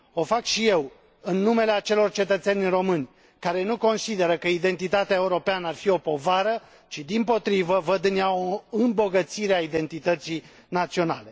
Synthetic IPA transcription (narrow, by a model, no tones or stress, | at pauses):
o̞fakʃije̞w | ɨnːume̞leat͡ʃe̞lo̞rt͡ʃe̞t̪ət̪senʲro̞mɨnʲ | kaɾe̞nuko̞nsid̪e̞ɾəkəid̪e̞nt̪it̪at̪eaeuɾo̞peanəarfio̞po̞vaɾə | t͡ʃid̪impo̞t̪ɾivəvəd̪ɨneaoɨmbo̞ɡət̪siɾeaid̪e̞nt̪it̪ət̪si | nat̪sio̞na̰le̞